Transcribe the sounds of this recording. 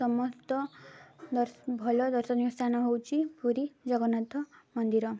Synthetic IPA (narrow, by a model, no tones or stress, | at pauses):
sʌmɔst̪ɔd̪ʌbʱʌlɔd̪ʌɾsʌnikst̪ʰanʌɦowt͡ʃʰipuɾid͡zʌɡʌnat̪ɔmʌnd̪iɾʌ